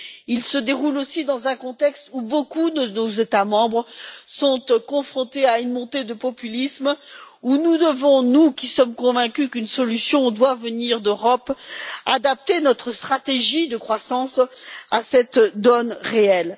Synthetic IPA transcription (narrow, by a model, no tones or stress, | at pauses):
ilsəd̪eʁulosid̪ɑ̃zɛ̃kɔ̃t̪ɛkst̪ubokud̪ənozet̪amɑ̃bʁəsɔ̃t̪kɔ̃fχɔ̃t̪eaynmɔ̃t̪ed̪əpɔpylismunud̪əvɔ̃nukʲisɔmkɔ̃vɛ̃kʲykynsɔlysjɔ̃d̪wavəniʁd̪øʁɔpad̪ap̚t̪enɔt̪χəst̪χat̪eʒid̪əkχwasɑ̃sasɛt̪d̪ɔnʁeɛl